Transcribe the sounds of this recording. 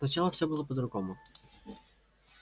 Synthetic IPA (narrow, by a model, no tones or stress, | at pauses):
nɐt͡ɕalˠəfsʲɔbɨlˠopəd̪ɾʊɡɔmʊ